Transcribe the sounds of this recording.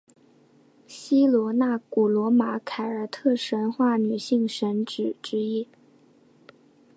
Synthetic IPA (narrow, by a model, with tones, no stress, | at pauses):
ɕi˥lwɔ˧˥na˥˩ku˨˩lwɔ˧˥ma˧˥kʰa˨˧˩ɪə˞˨˩t̪ʰɤ˥˩ʂə˧˥nxwa˥˩ny˨˩ɕi˥˩ŋʂə˧˥nʈ͡ʂɻ̩˨˩ʈ͡ʂɻ̩˥i˥